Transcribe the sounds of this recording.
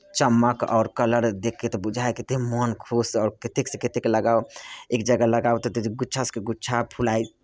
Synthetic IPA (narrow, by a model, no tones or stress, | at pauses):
t͡ʃəmːəkɔ̰ʊɾkələɾd̪ekʰːet̪ɔbud͡ʒʱajkit̪emɔnkʰusɔːɾket̪eksə̃ket̪ekləɡawekd͡ʒəɡaləɡawt̪ɔt̪eɡuːt͡ʃʰaskeɡut͡ʃʰapʰulai